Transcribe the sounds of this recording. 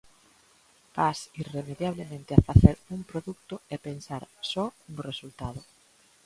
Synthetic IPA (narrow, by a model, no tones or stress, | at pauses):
pasiremeðjaβ̞lemẽnt̪eafaθeɾuŋpɾoðuk̚t̪oepensaɾsɔnoresult̪að̞o